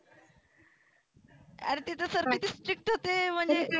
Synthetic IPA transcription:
a̰ɾit̪it̪əsəɾmidisʈɾik̚ʈɦot̪em̤əɳd͡ze

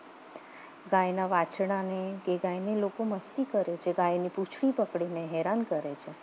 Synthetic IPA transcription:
ɡãjnaʋat͡ʃʰɳ̃aneɡeɡãjnelokoməst̪ikəɾet͡ʃʰeɡajniput͡ʃʰɭipəkɽineɦɛɾankəɾet͡ʃʰe

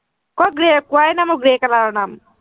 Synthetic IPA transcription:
kɔɡɾekuajnamoɡɾeːkalaɾɔnam

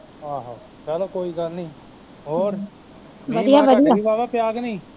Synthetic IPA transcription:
ɦãːɦãː | kɛːlãːkoːiːɡəlnĩː | ɦoːɾ | ʋəd̪ijaːʋəd̪ijaːiːʋaːʋɛːpɪjaːɡnĩː

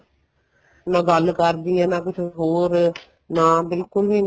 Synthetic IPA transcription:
nãːɡəlkəɾd̪ijãːnãːkʊt͡ʃʰɦoːɾ | naːbɪlkʊlɦiːn

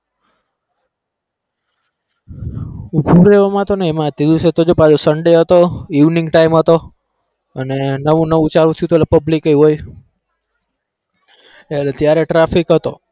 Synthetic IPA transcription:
ubuɾeʋamãt̪oneemãt̪id̪uset̪od͡ʒopad͡ʒosəɳɖeɦət̪oiʋniŋɡʈaimɦət̪o | ənenəʋũnəʋũt͡ʃaɾũt̪ʰjut̪oelapəblikəjɦoj | elet̪jaɾeʈɾafikɦət̪o̰

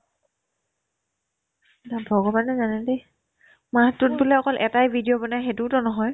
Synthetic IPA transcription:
nabʱɔɡɔbanɛzanɛde | maɦtːut̚bulɛɔkɔlʔɛtajbʱidijɔbɔnajxetutɔnɔɦɔj

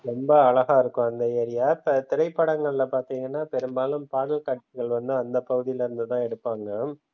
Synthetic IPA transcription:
ɾɔmbɐːɭɐɣaːɪɾɯkːʊ̃ɐnd̪ɐeːɾɪjaːpt̪ɪɾɐɪpːɐɽɐŋɡɐɭɪlɐpaːɾt̪iːŋɡɐnːaːpɛɾɯmbaːlɯmpaːɽɐlkɐʈt͡ʃɪɣɐɭʋɐnd̪ɯɐnd̪ɐpːɐɣɯðɪjɪlɪɾɯnd̪ɯt̪ãːɛɽɯpːaːŋɡɐ

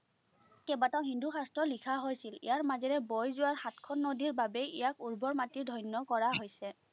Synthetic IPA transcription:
kɛbataɦindʱuxastɹɔlikʰaɦojsilḭjaɹmazɛɹɛbɔjzʊwaɹxatkʰɔnːodiɹbabɛijakuɹbɔɹmatiɹdʱɔjnjɔkɔɹaɦojsɛ

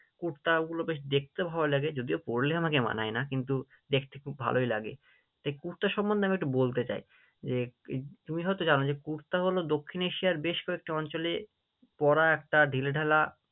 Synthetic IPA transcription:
kuɾt̪aɡulobeʃ̬d̪ek̚ʰt̪ebʱaolaɡed͡ʑod̪iopoɾleamakema̰najnakint̪u | d̪ekʰt̪ekʰubʱa̰loila̰ɡḛ | t̪ajkuɾt̪aʃɔmbond̪eamiekʈubolt̪et͡ɕa̰j | d͡ʑet̪umiɦɔjt̪od͡ʑanod͡ʑekuɾt̪aɦolod̪okʰːineʃijaɾbeʃkɔek̚ʈiɔnt͡ɕole | pɔɾaɛk̚ʈaɖʱileɖʱɛla

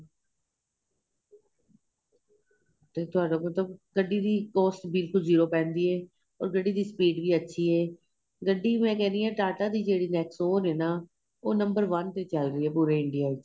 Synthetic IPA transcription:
t̪eːt̪ʊaːɖaːmət̪ləb̚ɡəɖːiːd̪iːkɔːsʈbɪlkʊlziːɾoːpɛ̃ːnd̪iːɦɛː | ɔ̰ːɾɡəɖːiːd̪iːspiːɖbiːətːʃʰiːɦɛː | ɡəɖːiːmɛ̃ːkɛːɾiãːʈaːʈaːd̪iːd͡ʒeːɽiːnɛːksoːnɦɛːnaː | oːnə̃mbəɾʋənt̪eːt͡ʃəlɾiːɦɛːpuːɾeːɪɳɖijaː

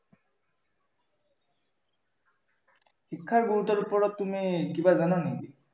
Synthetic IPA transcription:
xikʰːaɹɡuɹut̪ɔɹupɔɹɔtːumikibazananid̪i

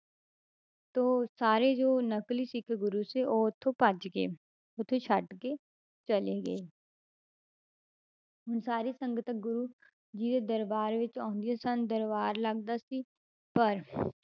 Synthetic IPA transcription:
t̪oːsaːɾed͡ʒoːnɐklisikʰeɡʊɾuseʔoːt̪ʰːopɐd͡ʒɡḛ | oːt̪ʰot͡ʃʰɐʈke | t͡ʃɐleɡɐe | ʊnsaːɾisə̃ŋɡət̪əkɡʊɾu | d͡ʒiːt̪ed̪əɾbaːɾʋɪt͡ʃɔ̃ːnd̪ijasand̪əɾbaːɾlɐɡd̪asi | pɐɾ

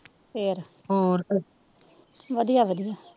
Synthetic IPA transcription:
pʰeːɾ | oːɾ | ʋəd̪ijaːʋəd̪ijaː

